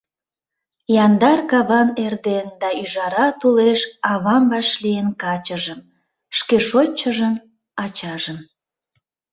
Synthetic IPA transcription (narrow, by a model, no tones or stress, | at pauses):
jɑnd̪ɑrkɑβɑnerd̪end̪ɑyʒɑɾɑt̪uleʃɑβɑmbɑʃlienkɑt͡ɕəʒəm | ʃkeʃot͡ɕːəʒən | ɑt͡ɕɑʒən